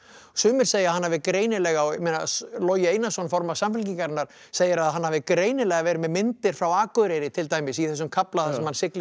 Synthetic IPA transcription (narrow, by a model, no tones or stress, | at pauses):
sʏːmɪɾ̥seːjaðhanːaːvɪkɾeːjnɪlɛɣawmena̰lɔːjɪejnasɔnfɔɾmasamfɪlciŋkaɾɪnːaɾ̥ | seːjɪɾaðhɦanːhaːvɪkɾeːjnɪlɛɣavɛːɾɪmɛðmɪnt̪ɪɾ̥fɾawaːkʏðɾejɾɪt̪ʰɪlt̪aːjmɪsiθɛsːʏmkʰaplaθasɛmhansɪklɪ